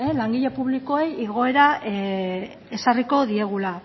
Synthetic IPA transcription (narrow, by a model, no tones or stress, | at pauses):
elaŋɡiʎepuβliko̞ejiɣo̞e̞ɾa | esariko̞ðie̞ɣ̞ula